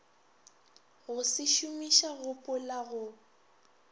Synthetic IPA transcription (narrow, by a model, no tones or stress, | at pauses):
ɣʊsɪʃʊmiʃaɣʊpʼʊlaɣʊ